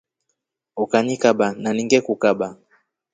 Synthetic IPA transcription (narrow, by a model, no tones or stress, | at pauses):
ukanikaɓananiŋɡɛkukaɓa